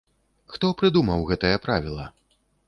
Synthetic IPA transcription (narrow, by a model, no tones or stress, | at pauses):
xt̪ɔpɾɨd̪umɐwɣɛt̪ɐjɐpɾavʲilˠɐ